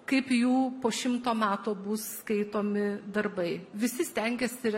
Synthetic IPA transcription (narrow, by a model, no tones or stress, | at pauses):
kɐɪpjuːpoːʃʲɪmt̪oːmʲæːt̪oːbʊsskɐɪt̪oːmʲɪd̪ɐrbɐɪʋʲɪsʲɪsʲt̪ʲɛŋʲɡʲɛsʲɪ